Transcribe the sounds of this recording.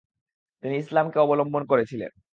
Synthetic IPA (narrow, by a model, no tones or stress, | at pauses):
t̪iniislamkeɔbolombʱonkoɾet͡ɕʰilḛn